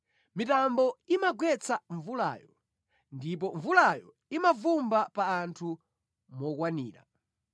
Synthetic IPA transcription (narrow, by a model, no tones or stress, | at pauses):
mitambɔimaɡwɛt͡sʰaɱvula̰ːjɔ | ndip̬ɔɱvulajɔ | imavumbapaːntʰu | mɔkwanḭːɾa̰